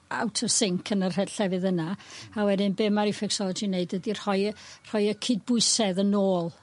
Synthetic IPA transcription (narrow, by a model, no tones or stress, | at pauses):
a̰wtʰəv̥sɪŋkʰənər̥ɛdɬɛvɨðənaawɛdɨnbɛmaɾifɛksɔlˠɔd͡ʒineɨdədir̥hɔɨr̥ɔɨjəkʰɨd̚bʊɨsɛðənoːlˠ